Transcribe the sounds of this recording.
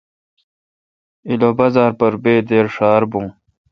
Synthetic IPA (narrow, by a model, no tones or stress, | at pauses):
iloːbɐzaːɾpɐɾbeːd̪eːɾʂaːɾbũː